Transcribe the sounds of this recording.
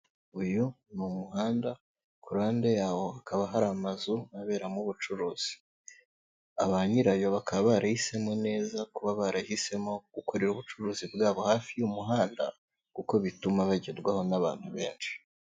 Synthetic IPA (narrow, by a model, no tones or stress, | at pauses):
ujunumuɦaːnda | kuɾaːnde̞jaːwo̞akʰaβaɦaɾamazuaβe̞ːɾamuβut͡ʃuɾuːz̥i̥ | aβaɲiɾajo̞βakaββaɾahise̞mo̞ne̞ːzakuβaβaɾahise̞mo̞ɡ̥uko̞ɾe̞ɾuβut͡ʃuɾuːzibɡaːβo̞haːfijumuɦaːnda̰ | kuko̞βitumaβaɟedɡwaho̞naβa̰ːn̥huβe̞ːnʃi̥